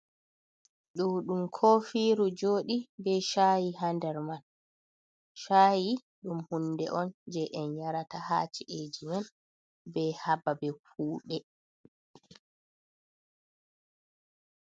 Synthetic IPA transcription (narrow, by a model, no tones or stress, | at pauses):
ɗuwɗumkʰofiːɾud͡ʒoːɗibɛʃaːjiɦandɛɾman | ʃaːji | ɗumhundɛʔɔnd͡ʒɛʔɛnjaɾataha̰ːt͡ʃiʔed͡ʒimɛn | bɛhababɛfuːɗɛ